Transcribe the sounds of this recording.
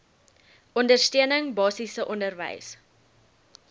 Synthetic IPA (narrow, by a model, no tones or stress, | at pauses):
ʔɔndərstøənəŋbɑːsisəʔɔndərvə̰js